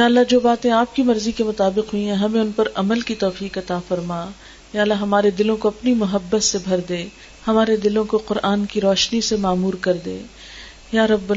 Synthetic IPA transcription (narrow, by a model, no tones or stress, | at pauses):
jaːlːad͡ʒoːbaːt̪ẽaːp̚kimɐɾzikemʊt̪aːbɪqɦʊĩɦɛ̃ɦɐmẽʊnpɐɾɐməlkit̪ɔːfiːqɐt̪afɐɾmaː | jaːlːaɦɐmaːɾed̪ɪlõkoɐpnimʊɦəbːət̪sebʱɐɾd̪eː | hɐmaːɾed̪ɪlõkoqʊɾʔaːnkiɾɔːʃnisemaːmuːɾkɐɾd̪ḛː | jaːɾɐbː